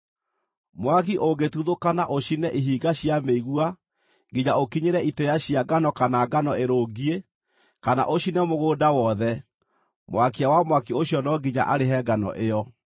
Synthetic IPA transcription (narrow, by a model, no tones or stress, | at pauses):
mwakiʔoɡetuðokanaʔoʃinɛʔiɦiːɡaɕiameiɣua | ɡiɲaokiɲeɾɛitɛjaɕijaɡanɔkanaɡanɔeɾoɡie | kana̰ʔoɕinɛmoɣoːdawɔðɛ | mwakiawamwakioɕjɔnɔɡiɲa̰ʔaɾeɦɛːɡanɔ̰ʔeɔ